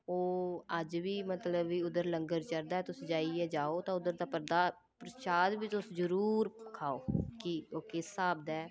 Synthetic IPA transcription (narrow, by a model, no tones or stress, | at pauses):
oːəd͡ʒʋiːmət̪ləbʋiːʊd̪əɾləŋɡəɾt͡ʃəɾd̪aːɛːt̪ʊsːd͡ʒaːiːɛːd͡ʒaːoːt̪ãːʊd̪əɾd̪aːpəɾd̪aː | pɾəʃaːd̪biːt̪ʊsd͡ʒəɾuːɾkʰaːoːkioːkɪsːaːbd̪aɛː